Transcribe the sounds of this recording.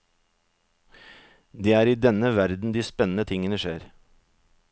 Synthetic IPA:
d̪eːæːɾiːd̪ɛnəʋæɾd̪n̩d̪iːspɛnən̩ət̪ʰɪŋənəʃeːɾ

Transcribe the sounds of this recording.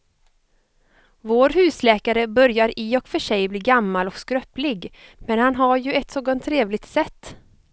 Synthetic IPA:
voːɾɦʉ̟ːslɛːkaɾəbœɾjaɾɪɔkfœʂɛjbliːɡamːalɔkskɾœplɪɡmɛnhanɦaɾjɵɛt̪ːsoːɡɔnt̪ʰːɾeːvlɪɡ̚t̪sɛt̪ː

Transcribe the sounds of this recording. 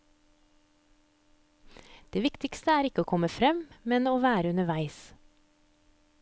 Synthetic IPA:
d̪̥eːʋɪkt̪ɪkst̪əæːɾɪkəoːkʰɔməfɾɛmmɛnoːʋæːɾəʉnəʋæɪs

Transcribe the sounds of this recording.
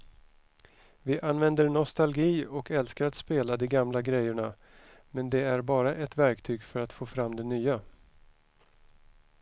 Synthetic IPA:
vɪʔanːvɛnd̪əɾɳɔst̪alɡiːɔkɛlskaɾat̪speːlad̪ɛɡamlaɡɾɛjəɳa | mɛnd̪ɛæɾbɑːɾaʔɛt̪væɾkt̪ʰyːɡfœɾat̪foːfɾamːd̪ɛnyːa

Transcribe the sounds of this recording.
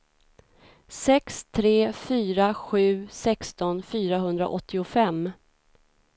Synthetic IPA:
sɛkst̪ʰɾeːfyːɾaɧʉ̟ːsɛkst̪ɔnfyːɾaɦɵnd̪ɾa̰ʔɔt̪ʰːɪʊfɛmː

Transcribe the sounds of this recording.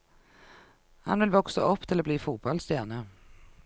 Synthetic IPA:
ha̰nvɪlvɔksaʔɵpːt̪ʰɪlɔbliːfuːt̪̚bɔlst̪jæːnə

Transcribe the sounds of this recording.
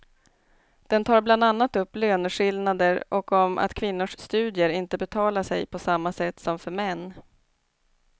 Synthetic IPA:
d̪̥ɛnt̪ʰɑːɾbland̪anːat̪ɵpːløːnʂɪlnad̪əɾʔɔkɔmʔa̰t̪kʰvɪnːʊʂst̪ʉ̟ːd̪jəɾɪnt̪əbɛt̪ʰɑːlaʂɛjpʰɔsamːasɛt̪ːsɔmfœɾmɛnː

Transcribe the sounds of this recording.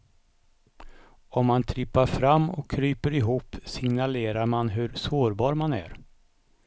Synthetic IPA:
ɔmːant̪ʰɾɪpːaɾfɾamːɔ̰kʰːɾyːpəɾɪɦuːpːsɪŋnaleːɾaɾmanɦɵɾsoːɾbɑːɾmanæ̰ɾ

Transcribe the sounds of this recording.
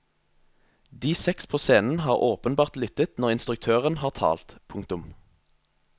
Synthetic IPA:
d̪iːsɛkspʰoːseːnn̩hɑːʁoːpənbɑːʁt̪lʏt̪ət̪nɔʁɪnst̪ʁʉk̚t̪ʰøːʁənhɑːʁt̪ʰɑ̰ːlt̪pʰʊŋkt̪ʊm

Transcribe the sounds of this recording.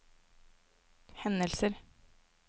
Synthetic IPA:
hɛnəlsəɾ

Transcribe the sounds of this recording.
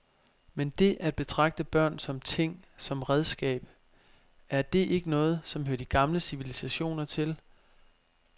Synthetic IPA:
mend̥e̝ʔæd̥̚b̥e̝t͡sʰʁɑ̈ɡ̥̚d̥əb̥ɶɐ̰nsɒ̽mt͡sʰe̝ŋ̰sɒ̽mʁɛð̞ˠsɡ̥ɛ̰ːb̥ | æɐd̥e̝ʔe̝ɡ̥ənɔ̽ːð̞̩ˠsɒ̽mhøɐd̥iɡ̥ɑ̈mləsiʋilisæɕo̝̰ːnɐt͡sʰe̝l

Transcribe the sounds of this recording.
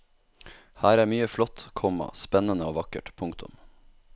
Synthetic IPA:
hæːɾæːmyːəflɔt̪kʰɔmɑ̰spɛnənəoːʋɑkə̰ʈpʰʊŋkt̪ʰʊ̰m

